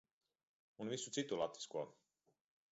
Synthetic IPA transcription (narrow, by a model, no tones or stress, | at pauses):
unvisusit̪ulat̪ə̥ska